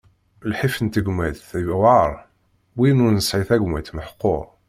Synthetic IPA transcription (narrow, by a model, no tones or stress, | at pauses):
lħifənt̪əɡmæðθivwɑɾˤ | winʊɾnəsʕiθæɡʷmæt̪məħqːoʁ